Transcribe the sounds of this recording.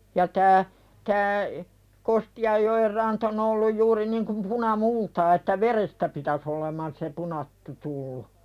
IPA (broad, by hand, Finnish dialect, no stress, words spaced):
jɑ tæː tæː kostiɑjːoer rɑnt on olːuj juːri niŋkum punɑmultɑː etːæ ʋerestæ pitæs olemɑn se punɑtːu tulːu